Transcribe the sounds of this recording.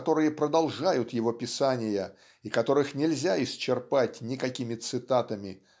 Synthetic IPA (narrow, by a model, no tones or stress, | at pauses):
t̪o̞ɾɨjəpɾəd̪ɐlˠʐajʊt̪jɪvo̞pʲɪsanʲɪjə | ikɐt̪o̞ɾɨxnʲɪlʲzʲaɪsʲt͡ɕːɪrpatʲnʲɪkɐkʲimʲɪt̪sɨt̪at̪əmʲɪ